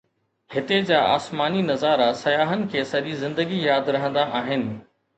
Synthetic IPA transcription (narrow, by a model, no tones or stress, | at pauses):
hɪt̪ed͡ʑaːʔa̰ːsmaːninɐzaːɾasɐjaːɦənɪ̆kʰeːsɐʄizɪ̃nd̪əɡijaːd̪ɾɐɦə̃nd̪aʔaːɦɪnɪ̆